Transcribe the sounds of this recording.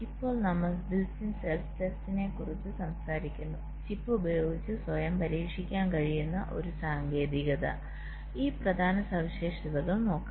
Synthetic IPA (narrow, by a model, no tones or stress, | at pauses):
ipːo̞ːɭnɐmːɐɭbilsinselstestine̞kːurit͡ɕːɨsɐmsaːɾikʲːunːu | t͡ɕipːɨubɐjo̞ːɡit͡ɕːɨswɐjɐmpɐɾiːkʂikʲːaːnkɐɻijunːɐʔo̞̰ɾusaːŋɡe̞ːðiɣɐðɐ̰ | iːprɐd̪ʱaːnɐsɐʋiɕeːʂiðɐɣɐɭno̞ːkː